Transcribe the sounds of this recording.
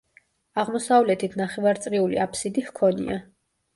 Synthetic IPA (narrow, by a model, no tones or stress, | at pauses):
aʁmɔsavlɛt̪ʰit̪ʰnaχɛvaɾt̪sʼɾiulḭapʰsid̪ihkʰɔnḭa